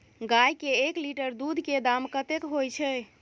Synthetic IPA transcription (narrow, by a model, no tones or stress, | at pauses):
ɡajkeːkliʈəɾd̪ud̪ʱked̪amkət̪ekɦojt͡ʃʰɛ